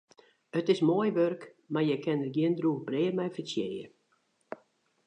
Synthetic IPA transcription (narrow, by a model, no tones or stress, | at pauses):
ətɪsmoəjʋørk | marjɛjkɛnət̚ɡjiəndruɣbreːərmɛjfəsɪjə